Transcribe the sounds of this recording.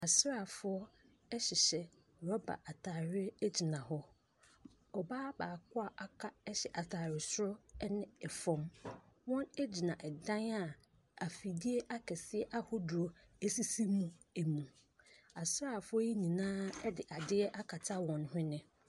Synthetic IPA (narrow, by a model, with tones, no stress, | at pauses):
a˨sɾa˦˨fʊ˦ɔ˦ | ɛ˦ɕɪ˨ɕɛ˨ | ɾɔ˦ba̰˨ʔa˨tʰaː˨ɾɪ˦ɛ˦d͡ʑi˨nã˨hɔ˦ | ɔ˨baː˦baː˨kʰʊ˦a˦ʔa˨kʰa˦ɛ˦ɕɛ˨ʔa˨tʰaː˨ɾɪ˨sʊ˦ɾɔ˦nɪ̃˦ɛ˨fɔ̃˦mwɔ̃˦nɛ˦d͡ʑi˨nã˨ʔɛ˨dã˦na˨ | a˨fi˨di˦e˦ʔa˦kʰɛ˨sɪ˦ɛ˦ʔa˦hʊ˦dʊ˨ɔ˨ | e˦si˦si˦mũ˦æ˨mũ˨ | a˨sɾa˦˨fʊ˦ɔ˦i˦ɲĩ˨nãː˦ɛ˦dɪ˨ʔa˨dɪ˦ɛ˦ʔa˦kʰa˨tʰa˦wɔ̃˨nhʊ̃˦nɪ̃˨